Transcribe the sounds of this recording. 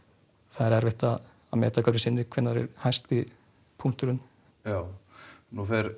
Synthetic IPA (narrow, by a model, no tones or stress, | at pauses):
θaðɛɾɛɾvɪht̪a | amɛ̰ːt̪akaɾɪsɪnːɪkʰv̥ɪnːaɾɪ̰ɾhajst̪ɪ | pʰuŋ̥t̪ʏɾʏn | jaːwnufɛɾ